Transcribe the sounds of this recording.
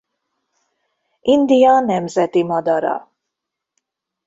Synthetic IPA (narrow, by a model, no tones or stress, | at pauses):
ind̪ijaːnɛmzɛt̪imɔd̪ɑɾɑ̰